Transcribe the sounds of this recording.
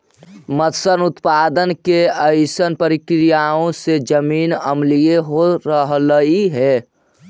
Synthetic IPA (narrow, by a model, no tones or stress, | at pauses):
mət̪sənut̪pad̪ənkeəɪsənpəɾikɾijaõsed͡ʒəmiːnəmlijeɦoɾəɦləiɦɛ